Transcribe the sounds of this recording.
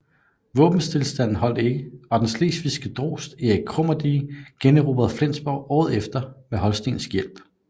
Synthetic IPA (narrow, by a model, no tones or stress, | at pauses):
ʋɔ̰̽ːb̥n̩st͡sʰe̝lsd̥æn̰n̩ɦɒ̽l̰d̥e̝ɡ̥əɒ̽d̥ensle̝̰ːsʋisɡ̥əd̥ʁo̝̰ːsd̥iækʰʁɔm̰ɐd̥iːɡ̥enəʁob̥ɐð̩ˠflen̰sb̥ɒʊɒːð̞̩ˠefd̥ɐmeɦɒ̽lsd̥e̝ŋn̩sjel̰b̥